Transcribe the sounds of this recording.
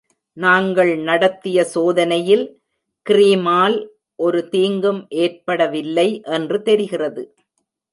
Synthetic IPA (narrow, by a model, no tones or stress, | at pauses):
naːŋɡɐɭnɐɽɐt̪ːɪjɐsoːðɐnɐjɪl | kɪɾiːmaːl | ʔɔɾɯt̪iːŋɡɯmʔeːrpɐɽɐʋɪlːɐɪʔɛndrɯt̪ɛɾɪɣɪrɐðɯ